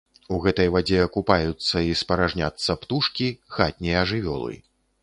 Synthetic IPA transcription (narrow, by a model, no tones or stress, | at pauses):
uɣɛt̪ɐjvad͡zʲɛɐkupajut̪sːɐispɐɾaʐnʲa̰t̪sːɐpt̪uʂkʲixat̪̚ʲnʲijɛːʐɨvʲɔ̰lˠɨ̰